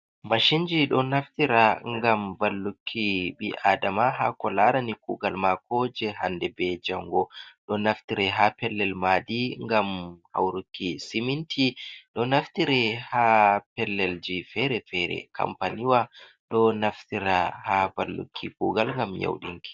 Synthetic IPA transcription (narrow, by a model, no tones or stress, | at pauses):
maʃind͡ʒiɗɔnaftiɾaŋɡambalːukʰːiɓiʔadamaɦakɔlaɾanikuɡalmakʰɔd͡ʒɛɦandɛbɛd͡ʒaŋɡɔɗɔnaftiɾɛɦapɛlːɛlmadiŋɡamha̰wɾukʰːisimintʰiɗɔnaftiɾɛhapɛlːɛld͡ʒifɛɾɛfɛɾɛ̰kʰa̰mpaniwa | ɗɔnaftiɾahabalːṵkʰːḭkuːɡalŋɡamja̰wɗḭŋki̥